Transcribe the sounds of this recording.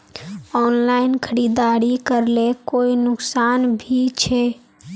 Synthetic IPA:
ɔːnlaːɪnkʰəɾiːd̪aːɾikəɾlekoːinʊksaːnbʱit͡ʃʰɛ

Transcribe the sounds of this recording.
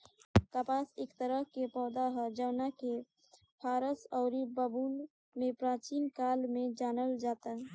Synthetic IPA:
t̪əpaːseːkt̪əɾəɦkepɔːd̪aɦəd͡ʒəwnake | pʰaːɾəsɔʊɾibəbun | mẽpɾãːt͡ʃinkaːlmẽd͡ʒaːnəld͡ʒaːt̪aɦ

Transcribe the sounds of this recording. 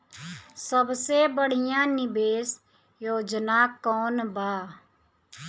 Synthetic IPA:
səbseːbəɽ̤ɪjãːnɪbeːs | joːd͡ʒnaːkɔːnbaː

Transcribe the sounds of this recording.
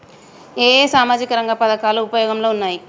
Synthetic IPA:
eːsaːmaːd͡ʒikɐɾɐŋɡɐpɐd̪ɐkaːluːpɐjoːɡɐmlo̞ːunːaːji

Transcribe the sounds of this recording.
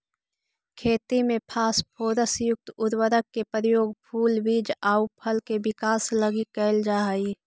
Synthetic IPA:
kʰeːt̪imẽpʰaːspʰoːɾəsjʊk̚t̪ʊd̪wəɾəkːepɾjoːɡpʰuːlʋid͡ʒaːupʰəlkebɪkaːsləɡikɛːld͡ʒaːəi

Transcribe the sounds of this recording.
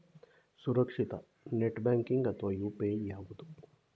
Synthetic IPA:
suɾɐkʂit̪ɐ | neʈbaːŋkiŋɡɐt̪ʋɐjuːpeːjaːʋud̪u

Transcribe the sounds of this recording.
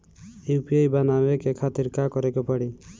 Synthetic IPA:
iupiejbanawekekʰat̪iɾkakɔɾekɔpɔɽi

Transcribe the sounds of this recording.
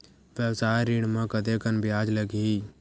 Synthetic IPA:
ʋjəwsaːjɾiɽmə̃kəd̪ekənbɪjaːd͡ʒləɡi

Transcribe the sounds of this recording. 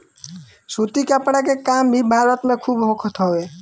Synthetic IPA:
sut̪ikapɽ̃ak̬ekambʱibʱaɾət̪mekʰubɦõkʰɔt̪ʰɔe

